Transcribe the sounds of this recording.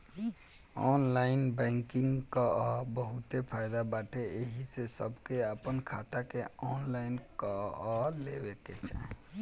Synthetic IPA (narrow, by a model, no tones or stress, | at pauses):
ɔnlaɪnbɛ̃ŋkiŋɡkəbəɦut̪epʰajd̪abaʈeeɦisesəbkeəpənkʰat̪akeɔnlaɪnkəɔlebeket͡ʃʰɛɦ